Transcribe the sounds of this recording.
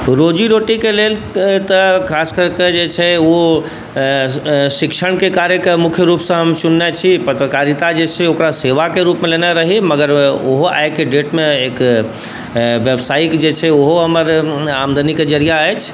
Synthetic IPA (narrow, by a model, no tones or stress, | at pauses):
ɾod͡ʒiɾoʈikelel | t̪əkʰaskəɾked͡ʒet͡ʃʰɛo | sikʃʰəɽ̃kekaɾekemukʰjəɾupsə̃ɦəmt͡ʃunːɛt͡ʃʰipət̪ɾəkaɾit̪ad͡ʒet͡ʃʰɛokɾaseʋakeɾupmelenaɾəɦiməɡəɾoɦoa̰jkeɖeʈmeek | ʋjebsaiʈd͡ʒet͡ʃʰɛoɦoɦəməɾamd̪ʱəniked͡ʒəɾijaəjt͡ʃʰ